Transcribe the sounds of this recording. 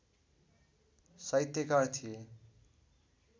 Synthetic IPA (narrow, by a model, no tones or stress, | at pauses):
sʌjt̪jʌkart̪ʰije